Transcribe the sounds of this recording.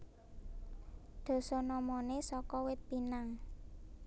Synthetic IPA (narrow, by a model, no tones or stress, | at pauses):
d̪̥o̤sɔnɔmɔnesɔkɔwɪt̪̚pinaŋ